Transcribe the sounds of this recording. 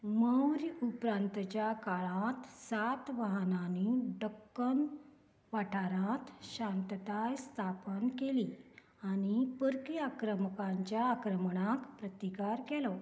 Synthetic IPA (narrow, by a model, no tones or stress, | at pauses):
məwɾupɾãnt̪t͡ɕjakaɭãt̪sat̪ʋaɦənaniɖəkːən | ʋaʈʰaɾãt̪ɕãnt̪ət̪ajst̪ʰapənkeli | añipəɾkiakɾəməkãɲt͡ɕjaːkɾəməɳakpɾət̪ikaɾkɛlɔ